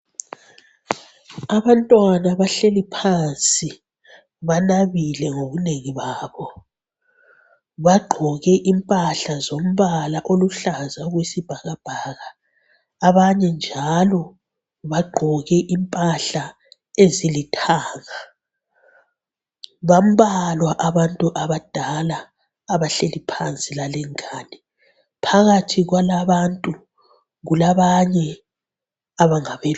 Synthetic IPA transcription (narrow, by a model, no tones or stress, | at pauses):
aβantʼwanaβaɬelipʰant͡sʼi | βanaβilɛŋoβuneŋiβaːβɔ | βaɡ͡ǃʱɔɣɛʔimpʼaɬazom̩βalaʔoluɬazaɣwesib̥ʱaɣab̥ʱaɣaː | βaɲɛnd͡ʒʱalɔ | βaɡ͡ǃʱɔɣɛʔimpʼaɬa | ezilitʰaːŋa | βam̩βalwaʔaβantʼuʔaβad̥ʱalaː | βaɬelipʰant͡sʼilalɛŋʰʼaːnɛ | pʰaɣatʰiɣwalaβantʼu | ɣulaβaɲɛ | aβaŋaβɛ